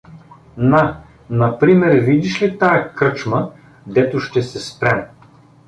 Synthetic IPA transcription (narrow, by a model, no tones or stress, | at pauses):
na | nɐpɾimɛɾvid̪iʃlit̪ajəkɾɤt͡ʃmə | d̪ɛt̪oʃt̪ɛsɛspɾɛm